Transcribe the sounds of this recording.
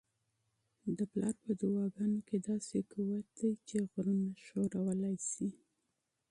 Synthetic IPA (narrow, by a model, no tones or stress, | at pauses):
d̪əplɑɾpəd̪əwɑɡɑnoked̪ɑsekuwat̪̚d̪ajt͡ʃeɣɾunaʃoɾawəlajsi